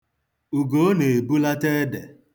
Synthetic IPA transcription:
u˨ɡo˨˦ne˨e˨bu˦la˦te˦dḛ˨

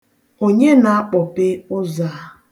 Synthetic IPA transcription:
o˦ɲe˦na˨a˦k͡pɔ˨pɪ˦ʊ˦zaː˨˦

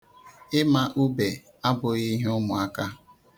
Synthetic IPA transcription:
ɪ˦ma˦ʔu˦be˨ | a˦bʊ˨i˦ɦʊ˦mʊ˨a˦ka˦

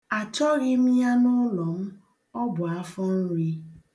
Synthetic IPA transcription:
a˨t͡ʃɔ˦ɣi˦m̩˦ja˦nʊ˦lɔ˨m̩˦ | ɔ˦bʊ˨a˦fɔ˦n̩˦ɾi˦

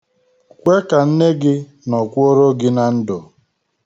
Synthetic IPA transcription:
kʷe˦ka˨n̩˦ne˦ɡɪ˦ | nɔ˨kʷʊ˦o˦ɾo˦ɡɪ˦na˨n̩˦dʊ˨

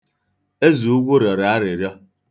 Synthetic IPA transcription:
e˦zu˨u˦ɡʷo˦ɾjɔ˨ɾa˨a˦ɾe˨ɾjɔ˦

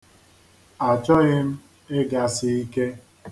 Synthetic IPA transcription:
a˨t͡ʃɔ˦ɣɪ˦m̩˦ | e˦ɡa˨sɪ˨i˦ke˦

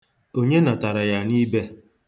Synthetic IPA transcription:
o˦ɲe˦na˨ta˨ɾa˨ja˨ni˦be˦

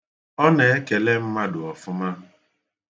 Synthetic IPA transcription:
ɔ˦ne˨e˦ke˨le˦m̩˦ma˦dʊ˨ɔ˨fʊ˦ma˦

